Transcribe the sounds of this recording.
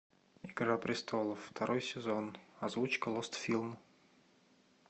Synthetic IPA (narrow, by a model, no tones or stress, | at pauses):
ɪɡɾapɾʲɪst̪ʰolˠəːt̪ɐɾʔojsʲɪzonɐzvut͡ɕkəlˠost̪fʲilˠm